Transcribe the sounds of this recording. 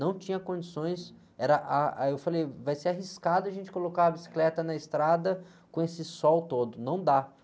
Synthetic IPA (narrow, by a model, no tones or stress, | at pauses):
nɐ̃w̃t͡ʃĩɲɐkõd͡ʒisõj̃s | ɛɾɐʔaewfalejvajseɾaɦiskad̪ʊɐʒẽnt͡ʃɪ̥kolokaɐbisi̥klɛt̪ɐnɐɪst̪ɾad̪ɐ | kõesɪsɔwt̪od̪ʊnɐ̃w̃d̪a